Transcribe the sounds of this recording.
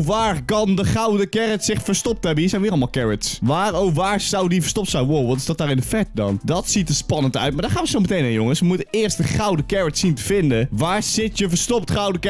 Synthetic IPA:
ʋaːrkɑndəχawdəkɛrətsɪχfərɹstɔp̚tɦɛbəhiːsɛjnʋɪːɾɑlˠmalˠkɛɹətsʋaːrowʋaːɹsawdifərstɔptsawʋoʋɑntɪ̥sdɔtdaːɹɪndəfɛt̚dɔ̰ndɔtsitəspɑnəntœ̰ɥt̚maɹdaːχaːnʋəsowmətejnɪjoŋəsʋəmutəɪːrst̚dəχawdəkɛɹətsintəvɪndəʋaːɹsɪtjəfəɹstɔptχawdəkɛ

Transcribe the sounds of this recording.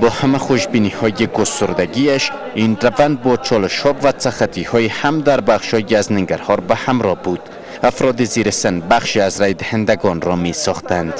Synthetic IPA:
bɔːhamæχoʃbinihɔjiɡost̪ʊɾd̪æɡiaʃ | inɾavand̪̚bɒt͡ʃʰɒlɪʃɒbvæsæχat̪ʰihɔihamd̪æɾbaχʃhɒjiæznɪŋɡæɾhɔɾbæhamɾɒbud̪̥ | afɾɔd̪iziɾɪsenbaχʃiazɾæjd̪ɪhænd̪æɡɔnɾɔmisɒχt̪ænd̪̥

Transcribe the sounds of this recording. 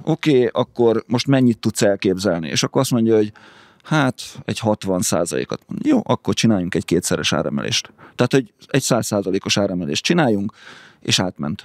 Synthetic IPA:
ʔokeːɒkːo̞rmo̞ʃt̪mɛɲːit̪ːut̪sɛlkeːbzɛlnḭḛːʃɒkːoɾɒst̪mo̞ɲɟɒɦo̞ɟ | haːt̪ɛɟhɒt̪ʋɒnsa̰ːzɒ̰lḛːkɒt̪mnjoːʔɒkːort͡ʃinaːjuŋkɛɟkeːt̪sɛɾɛʃa̰ːɾɛ̰mɛ̰lʔḛːʃt̪t̪ːɛat̪hoɟɛcsaːsːaːzɒleːko̞ʃaːɾɛmɛlḛːʃt̚t͡ʃinaːjuŋkḛːʃaːt̪mɛ̰nt̪

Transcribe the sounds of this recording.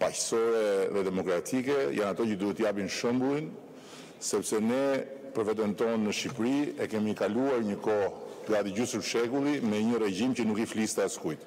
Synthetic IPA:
pacsɔjɛðɛd̪ɛmɔkɾat̪ʰikɛjʔanat̪ɔcəd̪uɦɛt̪əjapinʃɔmblˠin | sɛpsɛnɛpəɾfɛt̪ɛnt̪ɔnːəʃipɾiɛkɛmikaluaɾɲəkɔhɡad̪iɟusəɾʃɛkulˠimɛɲəɾɛɟimcənukiflist̪askujt̪

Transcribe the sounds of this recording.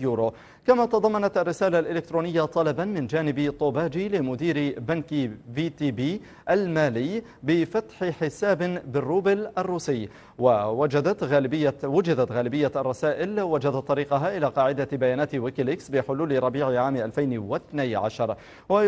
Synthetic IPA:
juːɾo | kamat̪ɑd̪ˤɑmːɑnat̪ʔarːɪsaːlalʔɪlɪk̚t̪ɾuːnɪjːat̪ˤɑlɑbanmɪnd͡ʒaːnɪbɪt̪ˤoːbaːd͡ʒilɪmʊd̪iːɾbankviːt̪iːbiː | ʔalmaːlɪjː | bɪfat̪ħɪħɪsaːbɪbɪrːuːbɪlʔarˤːuːsɪjː | wawad͡ʒad̪at̪ːɪːawʊd͡ʒɪd̪at̪ɣaːlɪbɪjːaɑrˤːɑsaːʔɪlwad͡ʒad̪at̪ˤːɑɾiːqɑɦaʔɪlaːqɑːʕɪd̪abajaːnaːt̪wɪkɪlɪksbɪħʊluːlɪɾˤɑbiːʕɪʕaːmʔalfajnwɪθnajʕa̰ʃɑɾˤ | wa

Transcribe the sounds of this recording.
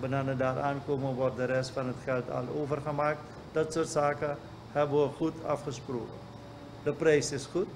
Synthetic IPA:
bənanədaːɾʔaːnkoːməʋɔrt̚dəɾɛstfɑnɦətχɛlˠtɑ̰loːvərχəmaːk̚t | d̥ɔtsuːrtsaːkə | hɛbəʋəχutʰa̰fχəsproːkə | dəprɛjsɪsχut

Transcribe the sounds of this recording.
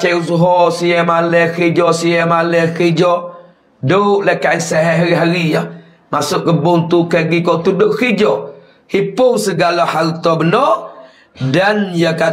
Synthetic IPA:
t͡ʃɛusuɦɔsiɛmalɛkid͡ʒɔsijɛmalɛkid͡ʒɔ | dəlɛkaisɛɦɛɦaɾiɦaɾija | masuʔɡəbunt̪ukeɡikɔt̪uduʔkid͡ʒɔ | hipʊŋsəɡalahalt̪ɔbənɔ | danjaka

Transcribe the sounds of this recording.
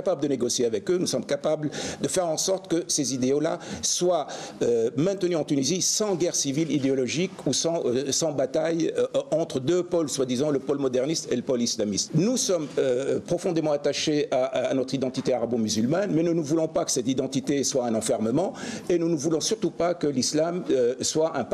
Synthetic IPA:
kapabləd̪əneɡɔsjeavɛkønusɔmkapabld̪əfɛʁɑ̃sɔʁt̪kəsezid̪eola̰swaømɛ̃t̪ənyɑ̃t̪ynizisɑ̃ɡʲɛʁsivilid̪eɔlɔʒikusɑ̃sɑ̃bat̪ajɑ̃t̪χəd̪øpɔlswad̪izɑ̃ləpɔlmɔd̪ɛʁnist̪eləpɔlislamist̪nusɔmøpχɔfɔ̃d̪emɑ̃at̪aʃeanɔt̪χid̪ɑ̃t̪it̪eaʁabomyzylmanmɛnənuvulɔ̃pakə̥sɛt̪id̪ɑ̃t̪it̪eswaɛ̃nɑ̃fɛʁməmɑ̃enunəvulɔ̃syʁt̪upakəlislamswaʔɛ̃p

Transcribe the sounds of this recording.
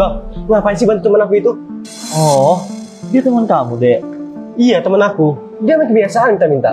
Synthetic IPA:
alapansibant̪ut̪əmənakuit̪u | ɔ | diat̪əmənkamudɛʔijat̪əmənaku | diamakəbiasaant̪amint̪a̰

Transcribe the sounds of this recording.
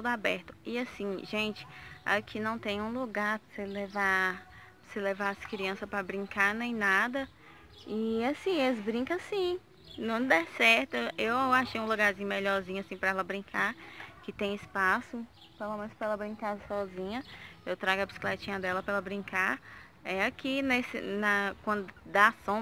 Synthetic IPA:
t̪ud̪ʊabɛɾt̪ʊ̥ɪasĩʒẽt͡ʃɪ̥a̰kʰɪnɐ̃w̃t̪ẽj̃ũluɡaɾseleva | selevaɐskɾiɐ̃sɐpɾɐbɾĩŋkanẽj̃nad̪ɐ | ɪasĩeɪzbɾĩkɐsĩ | nɐ̃w̃d̪ɛsɛɾt̪eewaʃejũluɡaɾzĩɲʊmeʎɔɾzĩɲʊasĩpɾɐɛlɐbɾĩkʰaɾkɪt̪ẽj̃ispasʊ | pelomẽnʊspɐɛlɐbɾĩŋkaɾsɔzĩɲɐewt̪ɾaɡɐbisi̥klet͡ʃĩɲɐd̪ɛlɐpɛlɐbɾĩkaɾ | ɛakinesɪ̰nɐkwɐ̃d̪ʊd̪asõ

